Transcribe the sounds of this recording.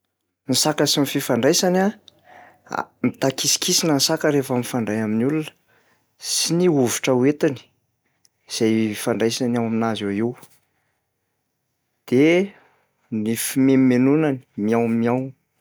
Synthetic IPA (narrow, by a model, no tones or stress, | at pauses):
nisakəsimififaɳɖ͡ʐajsana̰ | mit̪akisi̥kʰisinənisakəɾefamifaɳɖ͡ʐajaminulunə̥ | siniuvi̥ʈ͡ʂəwet̪ani̥ | iz̥ajfaɳɖ͡ʐajsanawaminazaiw | d̪̥e | nifimemmenunani̥miawmiaw